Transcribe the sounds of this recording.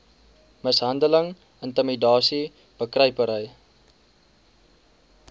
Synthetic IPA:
məsɦɐndələŋ | əntəmidɑːsi | b̥əkrəjpəɾəj

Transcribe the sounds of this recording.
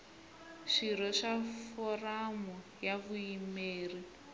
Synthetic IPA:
ʂiɾɔʂafɔramu | javujimeːri

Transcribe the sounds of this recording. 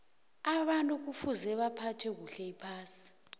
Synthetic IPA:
aɓantʼuk̬ufuzɛɓapʰatʰwɛk̬uɬɛipʰaːsi̥

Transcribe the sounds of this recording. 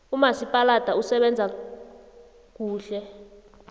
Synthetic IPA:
umasipʼalad̥ʱausɛɓɛnd͡zʱa | k̬ʼuːɬɛ

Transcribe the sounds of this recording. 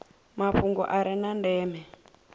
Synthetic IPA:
maɸuŋɡɔ̰ʔaɾinandɛːmɛ

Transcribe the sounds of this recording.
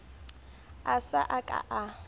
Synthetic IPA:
asaʔakʼa̰ʔa

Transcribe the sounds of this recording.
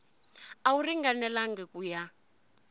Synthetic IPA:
auriŋɡanɛlaŋɡɛkuja

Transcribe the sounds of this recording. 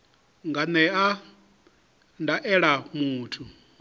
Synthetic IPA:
ŋɡanɛa | ndaʔɛɺamuːtʰu

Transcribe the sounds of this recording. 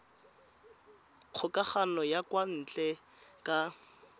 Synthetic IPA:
q͡χʰʊkʼaχanɔjakwan̩t͡ɬʼɛkʼa

